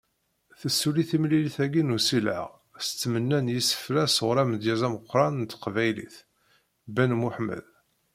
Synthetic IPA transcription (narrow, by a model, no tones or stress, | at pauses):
θəsːuliθimliliθæɡinusilʕə̰ʁ | st͡sːmənːænjisːə̥flæsʁɾæməd̪jæzæməqːɾˤɑnt̪ːqvæjlḭθ | bænmuħmə̰ð